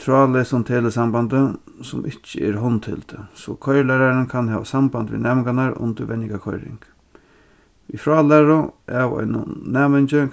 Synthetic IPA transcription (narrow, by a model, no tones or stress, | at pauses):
t̪ʰɾaːlesʊnt̪ʰeːləsambant̪ə | sʊmʔɪt͡ʃːəɛɾɦɔnt̪hɪ̰lt̪əsɔkʰɔjlɛɾaɾənkʰanɦɛːʋasambant̪ʋḭnɛːmɪŋɡanaɾʊ̰nt̪əɾʋɛnːɪkakʰɔjɾɪ̰ŋk | ifɾaːlɛːɾʊʔaʋɔ̰jnʊ̰nɛːmɪɲt͡ʃɪ